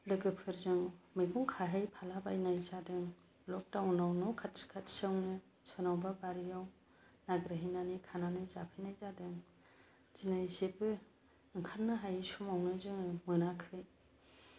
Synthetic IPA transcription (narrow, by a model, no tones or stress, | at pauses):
lɯɡɯpʰɯɾzɯŋmɯjɡuŋkʰaɦɯjpʰalabajnajzadɯŋ | lɔk̚tawnawnɯwkʰatskʰatsɯwnɯ | sɔnawbabaɾijaw | naɡɾɯɦijnanikʰananɯjzapʰɯjnajzadɯŋ | z̥inazebɯ | ɯŋkʰaɾnaɦajsumawnɯzɯŋmɯnakʰɯj